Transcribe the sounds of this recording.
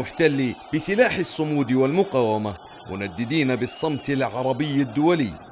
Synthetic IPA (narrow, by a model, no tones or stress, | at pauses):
ʊħt̪alːib̥ɪsɪlaːħɑsˤːʊmuːd̪walmʊqaːwama | mʊ̰nad̪ːɪd̪iːnabɨsˤːɑmt̪ɪlʕɑɾˤɑbɪjːad̪ːʊwalɪː